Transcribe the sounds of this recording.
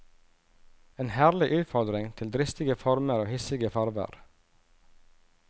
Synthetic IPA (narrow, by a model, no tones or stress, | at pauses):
eːnhæːɾlɪʔʉːt̪fɔɾd̪ɾɪŋt̪ʰɪld̪ɾɪst̪ɪɡəfɔɾməɾoːhɪsɪɡəfɑɾʋə̰ɾ